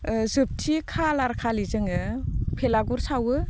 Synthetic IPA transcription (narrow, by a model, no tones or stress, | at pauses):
zɯp̚tʰikʰalaɾkʰalizɯŋɯpʰelaɡuɾsawɯ